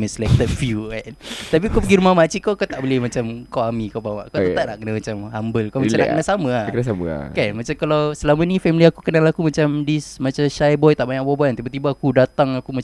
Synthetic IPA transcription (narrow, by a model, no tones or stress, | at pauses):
məsəlɛk̚t̪ət̚fjukant̪ap̬ikopəɡiɾumahmat͡ʃiʔkokat̪aʔbolɪhmat͡ʃamkoamikapama̰ʔkat̪aʔnaʔkənamat͡ʃamhambəlkomat͡ʃana̰kənasamə̃akənasamə̰kanmat͡ʃamkalawsəlamənĩfɛmiliakukənalakumat͡ʃamdismat͡ʃaʃajbɔjt̪aʔbaɲaʔbɔbant̪ibat̪ibaːkudat̪aŋakuma